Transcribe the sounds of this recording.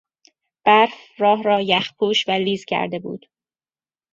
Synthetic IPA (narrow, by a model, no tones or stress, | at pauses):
b̥æɾfrɒːɦɾɒːjæxpʰuːʃvæliːzcʲʰæ̰ɾd̪e̞bṵːd̪̥